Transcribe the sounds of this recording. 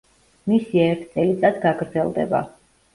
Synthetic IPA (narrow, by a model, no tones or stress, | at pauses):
misiɛɾt̪ʰt̪sʼɛlit̪sʼad̪ɡaɡɾd̪zɛlˠd̪ɛ̰ba̰